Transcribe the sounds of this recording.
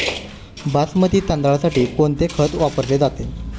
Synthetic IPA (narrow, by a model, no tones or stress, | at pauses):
basmət̪iːt̪ãnd̪aɭasaʈiːkoɳt̪ekʰət̪ʋapəɾled͡zat̪e